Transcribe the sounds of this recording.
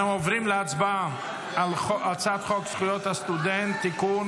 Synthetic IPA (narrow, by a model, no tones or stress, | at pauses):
emovʁimleat͡sbam | alχoat͡sat̪χoksχujot̪hast̪ud̪ent̪ːikun